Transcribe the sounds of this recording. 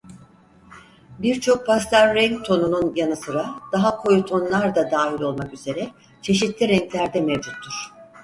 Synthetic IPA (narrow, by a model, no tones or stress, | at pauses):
biɾt͡ʃʰo̞k̚pʰast̪aɾːɛŋk̚t̪ʰo̞nununjanɯsɯɾad̪̥aɦakʰo̞jut̪ʰo̞nlˠaɾd̪ad̪aːɦilʲo̞lˠmakyze̞ɾɛ | t͡ʃʰe̞ʃit̪lʲiɾɛŋclʲæɾd̪ɛmevd͡ʒut̪ʰːuɾ̥